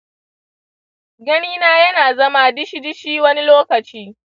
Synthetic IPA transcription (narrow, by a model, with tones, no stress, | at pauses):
ɡɐ˦niː˦naː˦jɐ˦naː˨zɐ˦ma˦dɪ˦ʃi˦dɪ˦ʃiː˦wɐ˦ni˦loː˦kɐ˨t͡ʃiː˦